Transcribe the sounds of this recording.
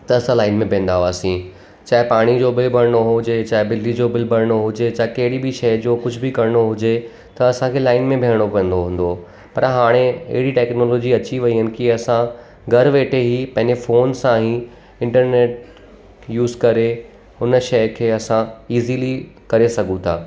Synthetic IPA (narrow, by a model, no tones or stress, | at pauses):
t̪ɐɐsãlaːɪnmẽbʱẽːn̆d̪aɦoaːsĩ | t͡ɕaːɪpaːɽ̃id͡ʑoːbɪlbʱɐɾɽ̃oɦʊɦʊd͡ʑet͡ɕaːɪbɪlɖid͡ʑobɪlbʱɐɽɽ̃oɦʊd͡ʑet͡ɕaːɦɪkɐɦɪɽibɪʃɐjd͡ʑoːkʊd͡ʑʱbɪkɐɾɽ̃oɦʊd͡ʑe | t̪ɐɐsãkʰeːlaːɪnmẽbʱeːəɽ̃opə̃n̆d̪oɦũːn̆d̪o | pɐɾɦaːɽ̃eɐ̰ɦɪɽiʈɛːknɔːloːd͡ʑiɐt͡ɕiʋɐiɦʊnɪ̆kiɐsã | ɡʱɐɾʋeːʈeɦipɐ̃ɦɪ̃ɲd͡ʑefoːnsãɦĩ | ɪ̃ɳʈəɾneːʈ̚ | juːzkɐɾe | ʊnʃɐjkʰeːɐsãiːzilikɐɾesɐɡũt̪ʰaː